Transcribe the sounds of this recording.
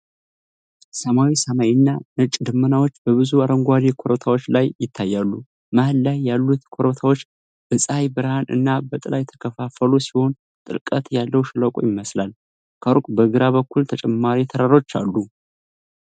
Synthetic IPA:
səmawisəmajinːanɨt͡ʃʼd̪ɨmːɨnawot͡ʃːbəβɨzuaɾəŋɡʷad̪ekʰo̞ɾot̪ʰawot͡ʃːlajːɪt̪ʰːajːalːu | mahɨlːajːalːut̪kʰo̞ɾot̪ʰawo̞t͡ʃː | b̥ɨsʼajbɨɾhanɨ̰nːabət̪ʼɨlajɛt̪ʰːə̥kʰəfafəlusiho̞n | t̪ʼɨ̰lkʼət̪jalːəwʃɨləkʼojɪməslal | kʰəɾkʼbəɨɡɨɾaβəkːult̪ʰət͡ʃʼɛmːaɾit̪ʰəɾaɾo̞t͡ʃːa̰lːu

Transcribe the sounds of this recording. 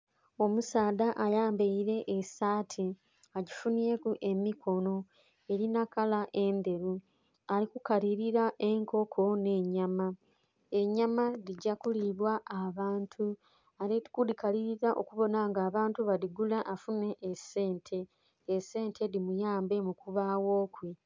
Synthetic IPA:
o̞musaːd̪aʔajaːmbeiɾe̞ʔːsaːtʰi | aɟifunije̞kuʔe̞mikʰo̞no̞ | e̞ɾinakalaʔe̞nd̪e̞ɾu | alikukaliɾiɾaʔe̞ŋko̞kʰo̞ne̞ːɲama | eɲamaɾiɟakuliβwaʔːβaːntʰu | aɾiikudikaliɾiɾaʔo̰kuβo̞naŋɡaːβaːntuβaɾiɡulaʔːfune̞ʔːse̞ːntʰe̞ː | se̞ːntʰe̞ɾimujaːmbe̞mukuβawo̞ːkwe

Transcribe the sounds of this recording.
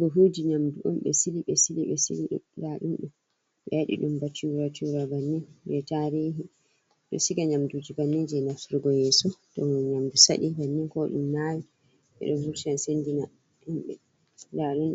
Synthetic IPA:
bɔɦud͡ʒiɲamduʔumɓɛ̰siliɓɛsiliɓɛsḭliɗ̰laɗunɗum | ɓɛɗḭɗumbat͡ʃuɾat͡ʃuɾabanːinbɛtaɾiːɦi | ɗɔ̰siɡaɲamdud͡ʒibanːid͡ʒiɛnafuɾɡɔjɛːsɔtɔnɲamdusa̰ɗibanːiŋkɔɗṵmnːawi | ɓɛ̰ɗɔvuɾtiansendina | umɓɛ | laɗunɗ

